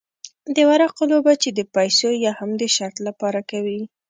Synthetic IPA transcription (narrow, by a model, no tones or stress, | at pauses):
d̪əwaɾɑqolobat͡ʃed̪əpajsojɑhamd̪əʃaɾt̪lapɑɾakawi